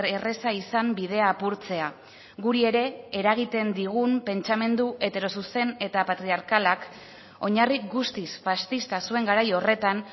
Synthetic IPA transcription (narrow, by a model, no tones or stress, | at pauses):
ere̞saisambiðe̞aːpuɾt͡se̞a | ɡuɾie̞ɾe̞ːɾaɣ̞it̪e̞nd̪iɣumpe̞nt͡ʃame̞nd̪uʔe̞t̪e̞ɾo̞suse̞ne̞t̪apat̪ɾiaɾkalak | o̞ɲarik̚ɡust̪isfast̪ist̪asue̞ŋɡaɾajo̞re̞t̪an